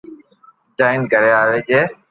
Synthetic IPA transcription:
d͡ʒaːɪnkəɾeːaːʋeːd͡ʒeː

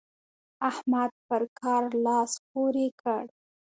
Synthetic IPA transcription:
ahmad̪̚pəɾkʰɑɾlɑspoɾekʰəɽ

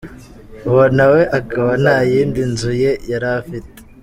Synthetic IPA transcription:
βonawe̞ʔakaβanaːjiːndinzuje̞jaɾafite̥

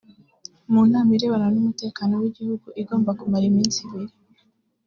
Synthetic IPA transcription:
muːnaːmiɾe̞βananumute̞ːkaːno̞wiɟihuɡuʔiɡo̞ːmbakumaɾimiːnsiβiɾi

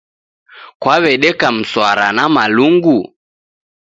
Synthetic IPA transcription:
kwaβɛɗɛkam̩swaɾa̰namaluŋɡu

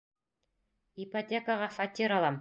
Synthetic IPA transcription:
ipɐtʲekəʁɑfɐt̪ʲiɾɑlˠɑm

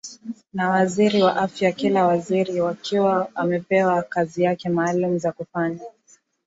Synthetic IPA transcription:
nawaziɾiwaʔafjakilawaziɾiwakiwaamɛpɛwakazijakɛmaːlum̩zakufana

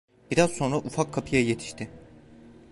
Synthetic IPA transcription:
b̥iɾazso̞nɾaʔufakʰːapʰɯjaje̞t̪ʰi̥ʃt̪ʰɪ

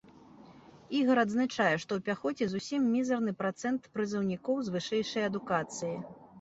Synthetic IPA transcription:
iɣɐɾɐd̪znat͡ʂajɛʂt̪ɔwpʲaxɔt͡sʲɛzusʲimːʲizɐrnɨpɾat̪sɛnt̪pɾɨzɐwnʲikɔwzvɨʂɛjʂɐjɐd̪ukat̪sɨji

